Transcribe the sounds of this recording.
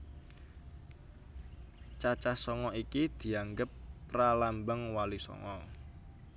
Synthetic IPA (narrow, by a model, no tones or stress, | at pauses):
t͡ʃat͡ʃasɔŋɔikid̪̥i̤aŋɡəpːralambəŋwalisɔ̰ŋɔ